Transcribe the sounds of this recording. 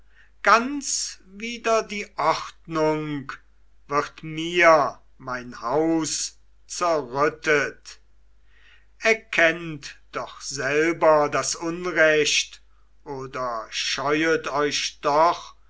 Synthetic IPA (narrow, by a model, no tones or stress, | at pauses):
ɡ̥ant͡sviːdɐdiːʔɔχtnʊŋk | v̥ɪʁtmiɐ | maɪnhaʊs | t͡sɛɐʁʏtət | ɛɐkʰɛntd̥ɔχz̥ɛlbɐdasʊnʁɛʃt | ʔoːdɐʃɔʏətɔʏʃd̥ɔχ